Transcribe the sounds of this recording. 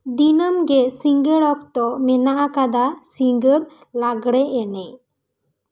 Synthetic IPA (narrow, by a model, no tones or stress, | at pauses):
d̪inəmɡɛsiŋɡəɽɔkt̪ɔmɛnaʔakad̪asiŋɡəɽ | laɡɽɛɛnɛ